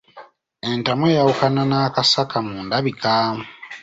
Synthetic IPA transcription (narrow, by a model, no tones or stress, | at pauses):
entamojawukananaːkasakamuːndaβikaːmu